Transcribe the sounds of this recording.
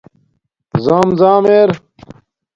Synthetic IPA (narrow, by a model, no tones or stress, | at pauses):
zaːmzaːmeːɾ